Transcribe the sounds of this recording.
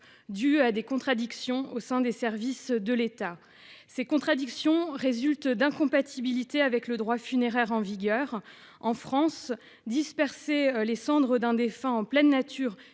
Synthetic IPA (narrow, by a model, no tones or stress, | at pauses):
d̪yad̪ekɔ̃t̪χad̪iksjɔ̃osɛ̃d̪esɛʁvisd̪əlet̪a | sekɔ̃t̪χad̪iksjɔ̃ʁezylt̪d̪ɛ̃kɔ̃pat̪ʰibilit̪eavɛkləd̪ʁwafyneʁɛʁɑ̃viɡʲœːʁ | ɑ̃fχɑ̃s | d̪ispɛʁselesɑ̃d̪ʁəd̪ɛ̃d̪efɛ̃ɑ̃plɛnːat̪ʰyːʁ